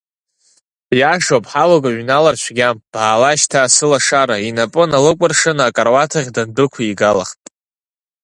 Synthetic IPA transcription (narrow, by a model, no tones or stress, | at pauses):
jaʂopʼħalaɡʼaɥnalart͡ʃʷʰɡʲamb̥aːlaʃtʰaːsɨlaʂaɾainapʼɨnalɨkʷʼarʂɨnakʼarwatʰaʁʲdandɨkʷʰaiɡala̰χtʼ